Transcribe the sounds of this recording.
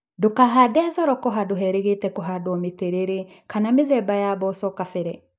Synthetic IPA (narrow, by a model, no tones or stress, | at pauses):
dokaɦadɛɛðɔɾɔkɔɦadoɦɛɾeɣetɛkɔɦadɔmeteɾeɾe | kanameðɛbajabɔsɔkafɛɾɛ